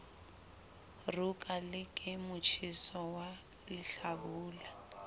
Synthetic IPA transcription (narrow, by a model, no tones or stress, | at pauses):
rukʼalɪkʼɪmʊt͡ʃʰisɔwa | lɪɬabuːla